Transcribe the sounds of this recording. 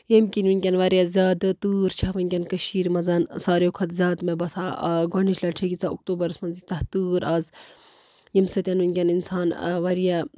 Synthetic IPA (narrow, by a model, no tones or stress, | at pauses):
jemkʲinunʲkʲɐnʋɐɾjazʲjaːd̪t̪uːɾt͡ʃʰaʋɐnʲkʲɐnkəʃiːɾmɐzɐnsaːɾjokʰɐt̪zʲjaːd̪mebɐsaɡɐɳiʃlɐʈʰekʲit͡sʰaṵk̚t̪uːbɐɾsmɐnzit͡s̪ɐht̪uːɾaːz | jimsɐt̪ʲjɐnunʲkʲɐninsaːnʋɐɾija